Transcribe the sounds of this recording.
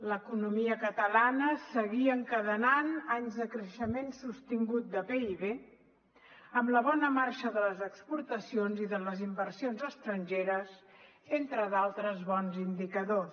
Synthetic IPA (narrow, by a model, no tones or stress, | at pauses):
ləkunumiəkət̪əlanəsəɣiəŋkəðənanaɲzðəkɾəʃəmensust̪iŋɡut̪̚d̪əpeiβe | əmləβ̞ɔnəmaɾʃəðələzəkspuɾt̪əsionziðələzimbəɾsionzəst̪ɾənʒeɾəz | ent̪ɾəðalˠt̪ɾəzβɔnzind̪ikəðo